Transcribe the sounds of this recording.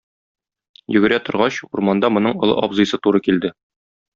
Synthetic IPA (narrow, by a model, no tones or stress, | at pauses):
jɵ̆ɡɘ̆ɾæt̪ŏɾʁɑɕṵɾmɑnd̪ɑmŏnɤɴŏlˠɤ̰ʔɒbzɤ̆jsɤt̪uɾɤkild̪ɘ